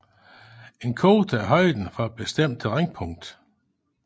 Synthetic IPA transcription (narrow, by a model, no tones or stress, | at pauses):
e̝nkʰo̝ːd̥æɦɒ̽ɪ̰d̥n̩fɒ̽æd̥̚b̥esd̥em̰d̥ʰelʁeŋpʰɔ̽ŋ̰d̥